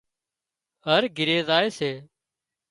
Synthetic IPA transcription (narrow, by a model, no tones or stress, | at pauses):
ɦəɾɡʱɪɾeːzaːeːseː